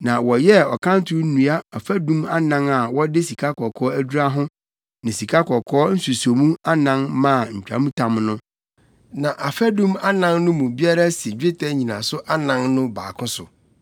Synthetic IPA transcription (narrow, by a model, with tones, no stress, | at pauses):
nã˨wɔ˨jɛ˦ɔ˨kʰã˦n˦tʰʊ˦n̩˦nũ˨a˦a˨fæ˦dũ˦ma˦nã˦na˨wɔ˦dɪ˦si˨kʰa˦kʰɔ˨kʰɔː˦æ˦du˦ɾa˦ɦʊ̃˦ | nɪ̃˨si˨kʰa˦kʰɔ˨kʰɔː˦n̩˦su˨so˨mũ˦a˦nã˦nmã˦˨ɲ̩˨t͡ɕᶣʰa̰˨˦mũ˦tʰã˨mnʊ̃˦ | nã˨ʔa˨fæ˦dũ˦ma˦nã˦nnʊ̃˦mũ˨bi˦a˦ɾa˦sɪ˨d͡ʑᶣɪ˦tʰɛ˦ɲĩ˨nã̰˨sʊ˦ʔa˦nã˨˦nnʊ̃˦ba̰ː˨kʰʊ̃˦sʊ̰˨